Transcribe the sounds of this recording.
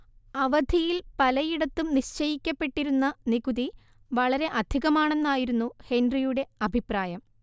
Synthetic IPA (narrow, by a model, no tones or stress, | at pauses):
ɐʋɐd̪ʱijilpɐlɐjiɽɐt̪ːumniɕt͡ɕɐjikʲːɐpːe̞ʈːiɾunːɐniɡuði | ʋɐɭɐɾe̞ʔɐd̪ʱiɣɐmaːɳe̞nːaːjiɾunːuhe̞nɖrijuɽe̞ɐbʱipraːjɐm